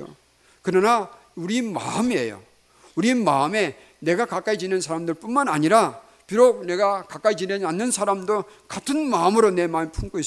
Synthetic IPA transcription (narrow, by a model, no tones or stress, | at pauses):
o̰ | kɯɾʌna | uɾima̰ɯmiḛjo̰ | uɾimaɯme̞ | ne̞ɡakak͈ait͡ɕinɯnsʰaɾamdɯɭp͈unmanaɲiɾa | piɾoɡ̚ne̞ɡakak͈ait͡ɕinenanːɯnsʰaɾamdokatʰɯnmaɯmɯɾone̞mamipʰuŋk͈ois͈